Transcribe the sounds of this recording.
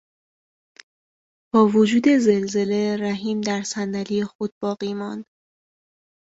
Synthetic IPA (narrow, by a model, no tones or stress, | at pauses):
b̥ɒːvod͡ʒuːd̪e̞ze̞lze̞le̞ɾæɦiːmd̪æɾsænd̪ælijexod̪̥̚bɒːɣiːmɒnd̪̥